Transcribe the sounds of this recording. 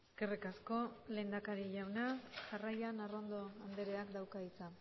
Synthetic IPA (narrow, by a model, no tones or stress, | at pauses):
eskerikasko̞le̞ːnd̪akaɾiʎawnasarajanaro̞nd̪o̞and̪eɾeakd̪awkaðit͡sa